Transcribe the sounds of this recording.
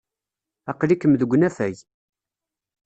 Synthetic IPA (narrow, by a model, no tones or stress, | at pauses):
ɑqlikːəmðəɡʷːnæfæj